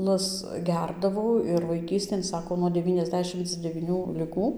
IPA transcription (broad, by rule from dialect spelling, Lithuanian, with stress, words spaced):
lˠɐs ˈɡʲɛrdɐʋɐʊ ɪr ʋɐɪˈkʲiːsʲtʲeːn ˈsɑːkoː nuɔ dʲɛˌʋʲiːnʲɛzʲˈdʲæːʃʲɪmt͡s dʲɛʋʲiːˈnʲuː lʲɪˈɡuː